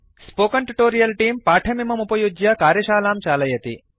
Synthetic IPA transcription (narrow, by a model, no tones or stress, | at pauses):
spoːkɐɳʈuʈoːɾijɐlʈiːmpaːʈʰɐmimɐmupɐjud͡ʒjɐkaːɾjɐʃaːlaːmt͡ʃaːlɐjɐt̪ḭ